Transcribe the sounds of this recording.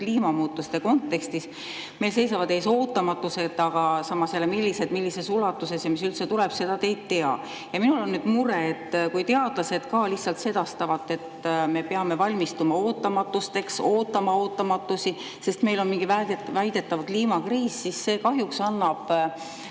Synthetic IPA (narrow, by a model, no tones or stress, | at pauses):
kliːmɑmuːt̪ːˑust̪e̞ko̞nt̪ːˑe̞kst̪is | me̞lsejsɑvɑd̪̥e̞ːso̞ːt̪ːˑɑmɑt̪ːˑuse̞t̪ˑːɑɡ̥ɑsɑmːɑselːemilʲːise̞d̪milːise̞sulɑt̪ːˑuse̞sjɑmis̬ylt̪se̞t̪uleb̥se̞d̪̥ɑt̪e̞jd̪t̪ːe̞ɑ̰ | jɑminulo̞nːyd̪muɾeːt̪ːkujt̪e̞ɑd̪̥lɑse̞d̪̥kɑliht̪sɑlt̪se̞d̪̥ɑst̪ɑvɑt̪ːˑe̞t̪ːme̞peɑme̞vɑlʲmist̪umɑo̞ːt̪ːˑɑmɑt̪ːˑust̪e̞kso̞ːt̪ːˑɑmɑo̞ːt̪ːˑɑmɑt̪ːˑusi | se̞st̪me̞jlo̞nmiŋɡ̥ivævæjd̪̥e̞t̪ːˑɑvkliːmɑkriːsːisːe̞ːkɑɦjuksɑnːɑb̥